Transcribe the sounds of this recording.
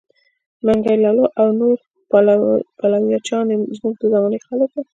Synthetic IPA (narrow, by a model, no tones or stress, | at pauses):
maŋɡajlɑloʔawnoɾ | palawjɑt͡ʃɑnezmuɡ̚d̪əzamɑnexalək̚d̪a